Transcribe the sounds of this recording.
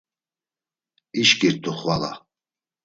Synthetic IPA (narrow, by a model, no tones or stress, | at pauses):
iʃɡiɾt̪ʰʼuχwala̰